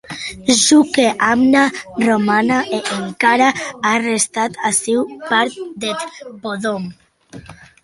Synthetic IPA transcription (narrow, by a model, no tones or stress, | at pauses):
ʒukeʔamnaromanaʔeʔeŋkaɾaarest̪at̪asewpaɾt̪̚d̪et̪poðom